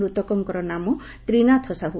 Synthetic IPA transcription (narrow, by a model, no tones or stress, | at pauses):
ɾut̪ɔkɔŋkɔɾɔnamɔ | t̪ɾinat̪ʰɔsaɦu